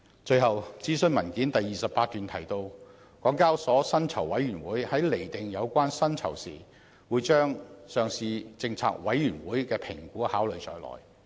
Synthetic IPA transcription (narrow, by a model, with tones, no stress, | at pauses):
t͡ʃɵ˧ɥhɐ˨wt͡siː˥sɵ˥˧nmɐ˨˩nkiː˨˥nt̪ɐ˨jːiː˨sɐ˨p̚ːaː˧t̚t̪yː˨nt̪ʰɐ˨˩jt̪o˧w | kɔː˨˥ŋkaː˥wsɔː˨˥sɐ˥nt͡sʰɐ˨˩wɐ˨˥jɥyː˨˩nwuː˨˥jhɐ˨˥jle˨˩jt̪ɪ˨ŋjɐ˨˧wkʷaː˥nsɐ˥nt͡sʰɐ̰˨˩wsḭː˨˩ | wuː˨˧jt͡ʃœː˥ŋsœː˨ŋsiː˧t͡sɪ˧ŋt͡sʰa̰ː˧˥k̚wɐ˨˥jːyː˨˩nwuː˨˥jkɛː˧pʰɪ˨˩ŋkuː˨˥haː˨˥wlɵ˨˧ɥt͡ʃɔː˧jlɔ̰ː˨˩j